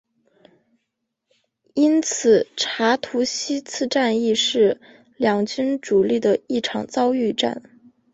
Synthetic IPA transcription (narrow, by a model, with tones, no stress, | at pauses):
i˥nt͡s̩ʰ˨˩ʈ͡ʂʰa˧˥t̪ʰu˧˥ɕi˥t͡sʰɹ̩˥˧ʈ͡ʂa˥˧ni˥˧ʂɻ̩˥˩ | ljɑ˨˩ŋt͡ɕy˥nʈ͡ʂu˨˩li˥˩d̪ə˩i˥˩ʈ͡ʂʰɑ̰˨˩ŋt͡sɑ˥ʊy˥˧ʈ͡ʂa̰˥˩n